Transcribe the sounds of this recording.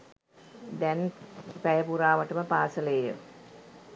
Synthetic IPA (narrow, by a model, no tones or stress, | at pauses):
d̪ænpæjəpuɾaːʋəʈəməpaːsəlejə̰